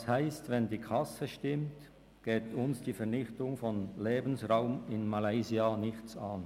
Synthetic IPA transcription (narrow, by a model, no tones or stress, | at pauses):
shaɪstvɛndiːkʰɑsəʃtɪmt | ɡ̥eːtʊnsd̥iːfɛɐnɪçtʊŋfɔnleːbn̩sʁaʊmɪnmalaɪziɑnɪçt͡saːn